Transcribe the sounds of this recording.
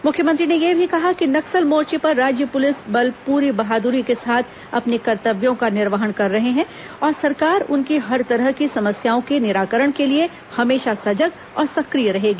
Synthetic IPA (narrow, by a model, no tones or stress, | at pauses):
mʊkʰjəmə̃ɐ̃nt̪ɾinejebʱikɐɦakinɐksəlmoːɾt͡ʃipɐɾːaːd͡ʒjəpʊlɪsbɐlpuːɾibɐɦaːd̪uɾikesaːt̪ʰ | ɐpnikɐɾt̪əbjõkanɪɾʋəɦəɽkɐɾːɐɦeɦɛ̃ | ɔːɾsɐɾkaːɾʊ̰nkiɦɐɾt̪ɐɾəɦkisɐməsjaːõkenɪɾaːkəɾəɽ̃kelie | hɐmeːʃasɐd͡ʒəɡ | ɔːɾsɐkɾijɾɐɦeːɡiː